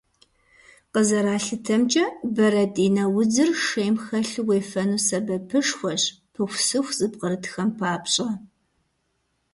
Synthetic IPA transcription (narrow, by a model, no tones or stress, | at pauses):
qəzɐɾaːɬɨtʰɐmt͡ʃʼɐbɐɾɐdʼiːnɐwʊd͡zɨrʂeːjmxɐɬweːfɐnuːsɐbɐpʰɨʂxʷɔɕ | pʰɨxʷsɨxʷzʼɨb̚qʼəɾɨtʰxɐmpʰaːpɕʼɐ